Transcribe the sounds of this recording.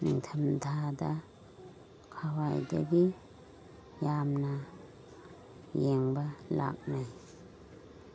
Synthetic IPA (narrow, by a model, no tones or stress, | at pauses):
niŋtʰamdʰʱada | kʰawajda̰ɡi | jamna | jeŋbala̰k̚naj